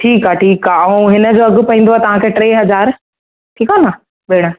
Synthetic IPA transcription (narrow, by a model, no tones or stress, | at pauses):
ʈʰiːkaʈʰiːkaũɦɪnə̆d͡ʑoːɐɡʊpɐɦĩːn̆d̪oaɛːt̪ɐʋ̤ãːkʰeːʈɾeːɦɐzaːɾ | ʈʰiːkana | ɓeːɽ̃ə